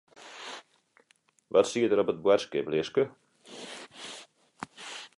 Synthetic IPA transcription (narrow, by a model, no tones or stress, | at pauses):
ʋɔtsiətəɾɔpət̚bwɛrskɪplɪskə